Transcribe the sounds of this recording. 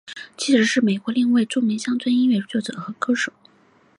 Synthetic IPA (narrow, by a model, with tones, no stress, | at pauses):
t͡ɕʰi˧˥ʂɻ̩˧˥ʂɻ̩˥˩me˨˩ɪkwɔ˧˥li˥˧ŋwa˥˧ɪʈ͡ʂu˥˩mi˧˥ŋɕjɑ˥ŋt͡sʰwə˥ni˥nɥɛ˥˩t͡sɔ˥˩ʈ͡ʂɤ̰˨˩˦xɤ˧˥kʰɤ˥ʂɤ˨˩˦